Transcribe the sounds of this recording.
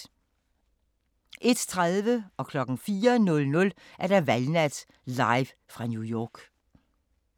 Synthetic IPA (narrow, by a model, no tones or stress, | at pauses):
ʔe̝d̥t͡sʰʁaðˠʋəɒ̽kʰlɒ̽ɡ̥n̩fiːɐnɔ̽lnɔ̽lʔæɐd̥æʋælnæd̥ | lɑ̈ɪʋ | fʁɑ̈njujɒːɡ̥